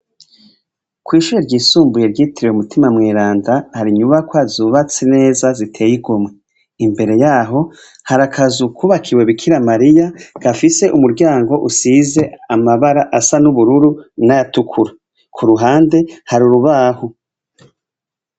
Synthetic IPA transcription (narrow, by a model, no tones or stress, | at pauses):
kwiːʃuɾeɾɟiːsuːmbuje̞ɾɟiːtiɾiweumutʰimamŋeːɾaːndahaɾiɲuβakwoazuβat͡sene̞ːzazitʰe̞ːjiɡomŋe | imbe̞ɾe̞jaːɦo̞ | haɾakʰazukʰuβakʰiwe̞βikʰiɾamaɾijaɡ̥afise̞ʔumuɾɟaːŋɡo̞ʔusize̞amaβaɾaʔasanuβuɾuɾunajatukʰuɾa | kʰuɾuɦaːnde̞haɾuɾuβahu